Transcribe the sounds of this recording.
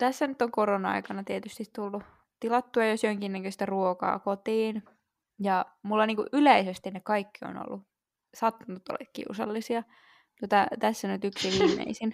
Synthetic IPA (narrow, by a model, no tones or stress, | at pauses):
t̪æsːænyt̪ːoŋkoronɑɑ̰ikɑnɑt̪iet̪yst̪it̪t̪ulːu | t̪ilɑt̪ːuɑjosjoŋkinːækøist̪æruokɑ̰ːkot̪iːn | jɑmulːɑniːŋkuʔʔyleisest̪innekɑikːio̰no̰lːu | sɑt̪ːunut̪ːo̰lːḛkkḭusɑlːisiɑ | t̪uot̪ɑt̪æsːænyt̪yksiʋiːmːḛisin